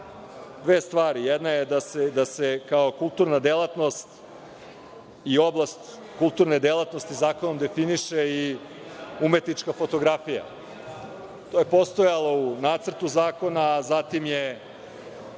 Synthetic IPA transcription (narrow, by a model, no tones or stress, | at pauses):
d̪ʋeːst̪ʋaːɾijɛd̪najed̪ased̪asekaokulˠt̪uɾnad̪elˠat̪no̞st̪ | io̞blˠast̪ | kulˠt̪uɾned̪elˠat̪no̞st̪izaːko̞no̞md̪e̞finiʃei | umet̪nit͡ʃkafo̞t̪o̞ɡɾafija̰ | t̪oje̞po̞st̪o̞jalˠounaːt̪sr̩t̪uzaːko̞naːzat̪imje